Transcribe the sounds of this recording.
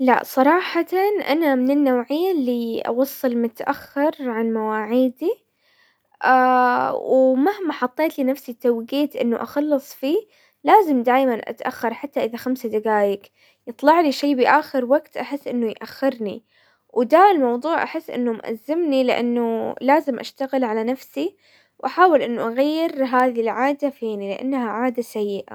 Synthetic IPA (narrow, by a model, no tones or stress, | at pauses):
la̰ʔsˤɑɾˤɑːħɑt̪ɑnʔanamɪnɪnːawʕɪjːalːiʔɑ̰wɑsˤːɨlmʊt̪ʔaxːɪɾʕanmawaːʕiːd̪i | ʔawmahmaħɑt̪ˤːeːt̪linafsit̪ːawɪɡiːt̪ʔɪ̰nːʊʔɑxɑlːɨsˤfiː | laːzɪmd̪aːjmanʔa̰t̪ʔaxːɑɾˤħat̪ːaʔɪðaxamsad̪aɡaːjɪk | jɨt̪ˤlɑʕliʃeːbɪʔaːxɪɾwaɡt̪ʔaħɪsːʔɪnːʊjʔaxːɪɾnḭ | wd̪aːɪlmɑwðˤuːʕʔa̰ħɪsːʔɪ̰nːʊmʔa̰zːɪmnilɪʔa̰nːulaːzɪmʔa̰ʃt̪aɣɪlʕalanafsi | wʔaħaːwɪlʔɪnːuʔaɣajːɪɾɦaːðilʕaːd̪afiːnilɪʔa̰nːhaʕaːd̪asajːɪʔa̰